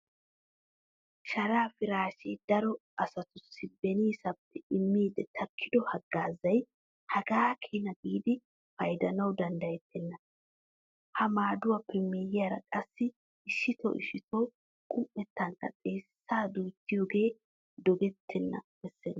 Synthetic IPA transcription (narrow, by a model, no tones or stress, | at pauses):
ʃɐɾaːfɪɾaːʃeːd̪ɐɾɔɐsɐt̪ʊsːɪbɛniːsɐpːɛɪmːiːd̪ɛt̪ʰɐkʰːɪd̪ɔhɐɡːaːzɐj | hɐɡaːkʰeːnɐɡiːd̪ɪ | fɐjd̪ɐnɐwd̪ɐnd̪ɐjɛt̪ːɛnːɐ | hɐmaːd̪ʊwɐpːɛmejɪjaɾɐ̰kʼɐsːɪ | ɪʃːɪt̪ɔ̰ʔɪ̰ʃɪt̪ɔ | kʼʊmpːɛt̪ːɐŋkɐ̰t͡sʼe̞ːsːaːd̪uːt̪ːɪjoːɡe̞ː | d̪ɔɡɛt̪ʰːɛnːɐ̰ | ɛsːɛnː